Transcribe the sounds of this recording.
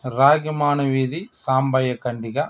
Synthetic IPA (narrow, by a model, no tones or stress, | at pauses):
ɾaːɡimaːnɐʋiːd̪isaːmbɐjɐkɐɳɖiɣɐ